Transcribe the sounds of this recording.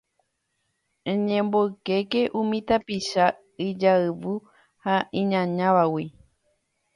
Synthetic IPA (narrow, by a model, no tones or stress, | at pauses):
ẽɲẽmboɨke̞ke̞ʔũmĩt̪apiʃa | ɨd͡ʒaɨʋu | haʔĩɲãɲãʋawi